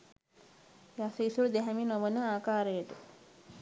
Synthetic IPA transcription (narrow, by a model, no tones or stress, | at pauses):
jasəisuɾud̪eɦæminoʋənəaːkaːɾəjəʈə